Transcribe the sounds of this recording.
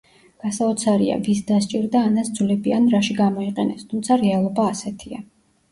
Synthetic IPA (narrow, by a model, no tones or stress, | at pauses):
ɡ̥asaɔt̪sʰaɾia̰visd̪ast͡ʃʼiɾd̪aːnasd̪zlɛbianɾaʃiɡamɔiqʼɛnɛst̪ʰumt̪sʰaɾɛalˠɔbaːsɛt̪ʰia